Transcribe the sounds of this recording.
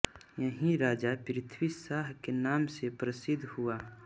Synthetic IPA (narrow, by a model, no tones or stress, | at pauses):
jɐɦĩɾaːd͡ʒapɾɪt̪ʰwisaːɦkenaːmsepɾəsɪd̪ʱhuaː